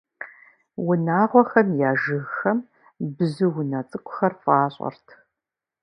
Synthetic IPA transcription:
wʊnaːʁʷɔxɐmjaːʒɨɣxɐm | bɨzɨwʊnɐt͡sʼɨkʷʰʼʊ̥xɐrfʼaːɕʼɐ̰rtʰ

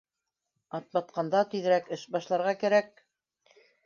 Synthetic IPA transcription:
ɑt̪̚bɑt̪̚qɑnd̪ɑt̪ɵðɘ̆ɾækɘʃbɑʃlˠɑɾʁɑkæɾæk̚

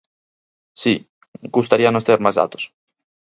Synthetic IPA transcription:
si | ɡust̪aɾianõst̪eeɾmazða̰t̪o̥s

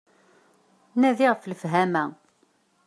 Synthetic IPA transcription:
næðiʁfləfɦæmæ

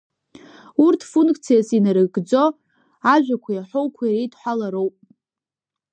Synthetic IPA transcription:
urtʰfuŋkkʰʼt͡sʰijasinɨɾɨɡd͡zo̞ | aʒᶣʷakʷʰajaħʷowkʷʰaiɾejtʰħʷalaɾo̞wpʼ

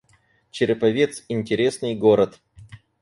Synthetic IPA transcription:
t͡ɕɪɾʲɪpɐvʲet̪sɪnʲtʲɪɾʲesnɨjɡoɾət̪

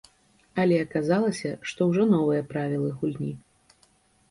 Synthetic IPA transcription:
ɐlʲɛɐkazalˠɐsʲɐʂt̪ɔwʐɔnɔvɨjɐpɾavʲilˠɨɣulʲnʲi

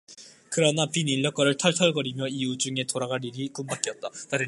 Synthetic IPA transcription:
kɯɾʌnapiniʎːʌk͈ʌɾɯɭtʰʌɭtʰʌɭɡʌɾimjʌiud͡ʑuŋe̞toɾaɡaɾiɾik͈umbak͈iʌt̚t͈ataɾɯ

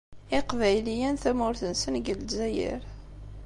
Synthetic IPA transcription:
ɪqvæjlijænθæmʊɾθənsənɡəlzæjḭɾ

